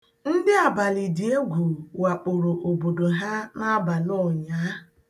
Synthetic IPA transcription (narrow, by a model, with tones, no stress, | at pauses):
n̩˦dɪ˦a˨ba˨li˨di˨e˦ɡʷu˨wa˨k͡pʊ˨ɾo˨ʔo˨bo˨do˨ɦa˦na˦ba˨lɔ˦˨ɲa˦